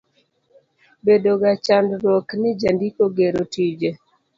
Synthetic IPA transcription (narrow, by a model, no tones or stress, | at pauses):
bedoɡat͡ʃandɾɔknɪd͡ʒandikoɡeɾotid͡ʒe